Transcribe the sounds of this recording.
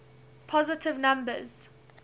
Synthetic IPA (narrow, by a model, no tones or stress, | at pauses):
pʰɔzɪtʰɪvnãmbə̰z̥